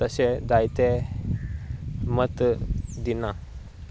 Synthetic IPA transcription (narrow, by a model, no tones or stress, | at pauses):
əsed̪ajt̪e | mət̪d̪ina